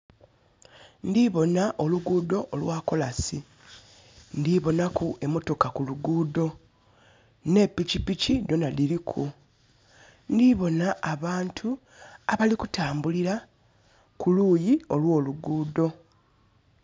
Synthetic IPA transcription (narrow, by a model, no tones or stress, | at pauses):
ndiβo̞naʔo̞luɡuːdo̞ʔːlwaːko̞lasi | ndiβo̞nakuʔemo̞to̞kakuluɡuːdo̞ | ne̞pːicipicido̞naliɾikʰu | ndiβo̞naʔːβaːntʰu | aβalikutaːmbuliɾa | kuluːjio̞lwo̞ːluɡuːdo̞